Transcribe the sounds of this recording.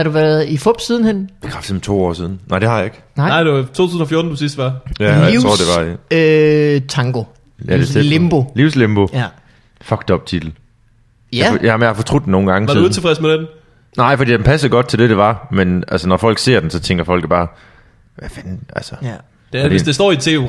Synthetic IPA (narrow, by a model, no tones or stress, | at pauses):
hɑ̈ɾuʋæɐðˠifɔb̥sið̞ˠn̩henʋekʰafd̥em̩t͡sʰo̝̰ːɒ̰ːsið̞ˠn̩nɑ̈ɪd̥ehɑ̈jɑ̈e̝ɡ̥ | nɪ̰d̥et͡sʰo̝ːt͡sʰuːðˠn̩ɒfjoɐːd̥n̩d̥usisd̥ʋɑjæjiʁo̰ɐ̰de̝ʋɑ̈ | t͡sʰɑ̈ŋɡ̥o̝ | jædeeemb̥oliʊslemb̥o̝ | fɒ̽ɡ̥d̥ɒ̽b̥̚t͡sʰid̥l̩ | jmjahɑfɒ̥̽t͡sʰʁud̥d̥eno̝ːn̩ɡ̥ɑ̈ŋəsɑdiðt͡sʰe̝fʁɛsmed̥en | nɑ̈ɪ̰fɒdḭːd̥enpʰæs̩ˠɡ̥ɒ̽d̥̚t͡sʰe̝ld̥e̝ɾ̥e̝ʋɑ̈menælsənɒfɒ̽l̰ɡ̥se̝ɐ̰d̥ensɒ̽t͡sʰeŋɡ̥ɐfɒ̽l̰ɡ̥b̥ɑ̈ː | ʋæfænʔælsə̥ | d̥ediḛd̥esd̥ɒ̰ːit͡sʰe̝̰ːu